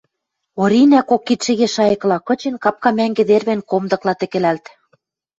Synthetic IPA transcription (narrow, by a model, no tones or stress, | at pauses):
oɾinækokːit̪ʃɘ̆ɣeʃɑjɤ̆klɑkɤ̆t͡ɕĕnkɑp̚kɑmæŋɡĕd̪erβenkomd̪ɤ̆klɑt̪ĕkĕlælt̪